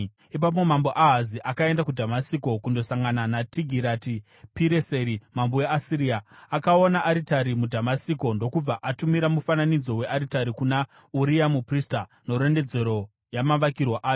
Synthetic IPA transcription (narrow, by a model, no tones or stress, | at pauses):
ip̬ap̬o̞mambo̞ʔaɦaziʔakae̞ndakudʱamasiko̞kundo̞saŋɡananatiɡʱiɾati | piɾeseɾimamboeasiɾiːaːkao̞naʔːɾitaɾimudʱamasiko̞ndo̞kub͡vaʔatumiɾamufananid͡zo̞we̞ʔaɾitaɾikuna | uɾijamuprista | no̞ɾe̞nde̞d͡ze̞ɾo̞ | jamaʋakirwaʔaːjo